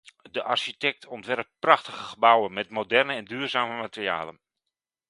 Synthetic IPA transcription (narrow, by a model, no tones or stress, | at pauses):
dəʔarʃitɛk̚tʰɔntʋɛrp̚prɑχtəɣəχəbawənmɛtmodɛrnəɛndyːrzaːməmatərja̰ːlən